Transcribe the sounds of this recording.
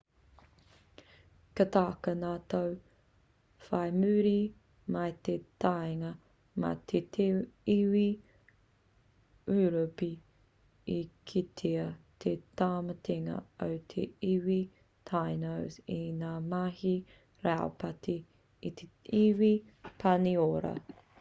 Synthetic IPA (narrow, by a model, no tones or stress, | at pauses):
kɐt̪aːkɐnaːt̪ow | fɐjmʉːɾi | mɐjt̪et̪ajŋɐ | mɐ̰t̪ʰetʰiwi | ʉːɾopi | ikʰit̪ʰeɐt̪ʰet̪aːmɐtʰeŋɐ̰owt̪ʰeiwi | t̪ʰajnowzinaːmahi | ɾao̰pɐtʰiː | t̪ʰeiwi | pʰɐnioɾɐ̰